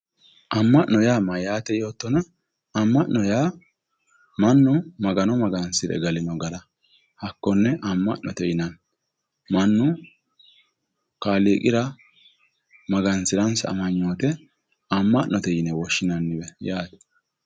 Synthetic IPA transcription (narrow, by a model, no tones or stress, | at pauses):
ʔɐmːɐʔnːɔjaːmɐjaːt̪ɛjo̞ːt̪ːɔnɐː | mːɐʔnɔjaː | mɐnːʊmɐɡɐnɔmɐɡɐnsɪɾɛ̰ɡɐlɪnɔɡɐɾɐ | hɐkːɔnːɛʔɐmːɐ̰ʔnːʔɔ̰t̪ɛjɪnɐn | mɐnːʊ | kaːleːkʼɪɾɐ | mɐɡɐnsɪɾɐnsɐ̰mɐɲːoːt̪ɛ | ɐmːɐʔnʔɔt̪ɛjɪnɛwɔʃːɪnɐnːɪbɛjaːt̪ɛ̥